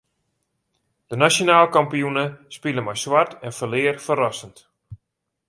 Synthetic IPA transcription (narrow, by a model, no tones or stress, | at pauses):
d̥ənasjonaːlˠkampijunəspiləmajswartʰɛnfəlɪːərfərɔsənt